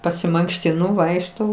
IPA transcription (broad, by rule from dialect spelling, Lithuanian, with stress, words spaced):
pɐsʲɪmɐŋkʃʲtʲɪˈnʊ ˈʋɐɪkʃtɐʊ